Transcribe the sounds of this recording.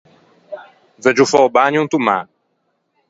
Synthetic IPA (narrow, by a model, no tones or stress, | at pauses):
vɛd͡ʒufɔbaɲũnt̪uma̰